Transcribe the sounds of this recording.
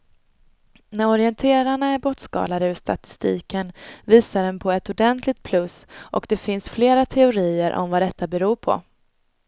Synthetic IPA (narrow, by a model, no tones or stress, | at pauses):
næɾɔɾɪɛnt̪ʰeːɾaɳaæɾbɔt̪skɑ̰ːlad̪əʉʂt̪a̰t̪ɪ̥st̪ḭːkənviːsaɖɛnpʰɔɛt̪ʊd̪ɛnt̪ʰlɪɡ̚t̪̚pʰlɵsʔɔ̰kd̪ɛfɪnsfleːɾat̪ʰɛʊɾiːəɾʔɔ̰mvad̪ɛt̪ːabɛɾuːɾpʰɔ̰